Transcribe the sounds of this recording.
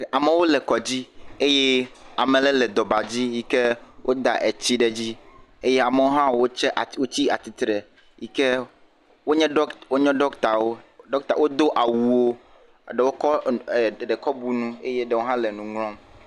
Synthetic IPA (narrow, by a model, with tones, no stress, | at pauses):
a˨me˨wo˦lɛ˨kɔ˨d͡ʑi˦e˦je˦a˨mẽ˨lɛ˦lɛ˨d̪ɔ˨ba˨d͡ʑi˦ji˦ke˦wʔo˦d̪a̰˨ʔe˨t͡ɕi˦ɖe˨d͡ʑi˦e˦je˦a˨me˨wo˦ɦã˦wo˦t͡ʃɛ˦ʔwo˦t͡ɕi˦a˨t̪i˨t̪ɾɛ˨ | ji˨kɛ˦ | wo˦ɲɛ̃˦ɖɔ˦wo˦ɲɔ̃˦ɖɔ˦kt̪a˨wo˦ɖɔ˦k̚t̪a̰˨wo˦d̪o˦ʔa˨wu˨wo˦˨ | ɖe˨wo˦kɔ˦˨ | ɖe˨kɔ˦bu˦nũ˦e˦je˦ɖɛ˨wo˦ɦã˦lɛ˨nũ˨ŋlɔ̃˦m